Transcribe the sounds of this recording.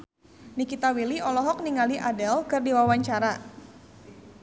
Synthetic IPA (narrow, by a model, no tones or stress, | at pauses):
nikit̪awiliɔlɔɦɔk̚niŋaliʔadɛlkɨrdiwawaɲt͡ʃaɾa